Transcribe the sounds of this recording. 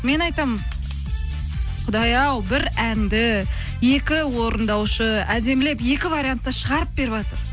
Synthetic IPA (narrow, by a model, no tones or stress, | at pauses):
me̞nɑjt̪ɑm | qʰʊd̪ɑjɑwbɪɾænd̪ɪ | je̞kʲɪwo̞ɾənd̪ɑwʃəæd̪e̞mle̞pje̞kʲɪvaɾʲijant̪ːɑʃəʁɑɾəp̚be̞ɾɪβɑt̪əɾ